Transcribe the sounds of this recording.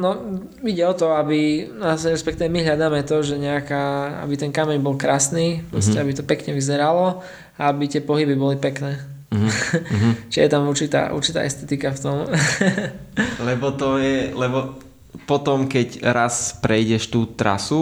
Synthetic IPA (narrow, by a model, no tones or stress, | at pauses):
nɔ | iɟɛɔt̪ɔabiasɾɛspɛkt̪iːʋɛmiɦʎad̪aːmɛt̪ɔʒɛɲɛakaːa̰bit̪ɛnkamɛɲbɔlkɾaːsniːpɾɔscɛabit̪ɔpɛkɲɛʋizɛɾalɔ | aabit̪ɪɛpɔɦibibɔlipɛknɛː | t͡ʃɛjɛt̪amuɾt͡ʃit̪a̰ːʔṵɾt͡ʃit̪a̰ːʔɛst̪ɛt̪ikaft̪ɔm | lɛbɔt̪ɔjɛlɛbɔ | pɔt̪ɔmkɛcɾaspɾɛjɟɛʃt̪uːt̪ɾa̰su